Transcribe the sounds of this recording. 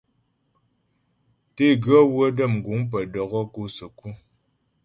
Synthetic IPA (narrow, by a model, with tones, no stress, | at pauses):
te˦˨ɡɰɔ˦wə˦də˦˨mŋ̩˨ɡu˨˦ŋp̬ə˨dɔ˨ɣɔ˦ku˦sə˨ku˦˨